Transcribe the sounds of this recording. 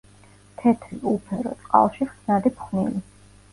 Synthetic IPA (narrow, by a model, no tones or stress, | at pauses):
t̪ʰɛt̪ʰɾḭʔupʰɛɾɔ̰t̪ʼqʼa̰lˠʃiχt̪snad̪ipχnḭli